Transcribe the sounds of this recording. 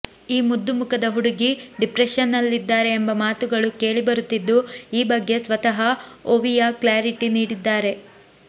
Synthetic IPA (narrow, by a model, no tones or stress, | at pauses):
iːmud̪ːumukɐd̪ɐɦuɽuɡiɖipɾeʃɐnːɐlːid̪ːaːɾe̞ːmbɐmaːt̪uɡɐɭuke̞ːɭibɐɾut̪ːid̪ːuiːbɐɡːe̞sʋɐt̪ɐɦɐoʋijaklaːɾiʈiniːɽid̪ːaːɾe̞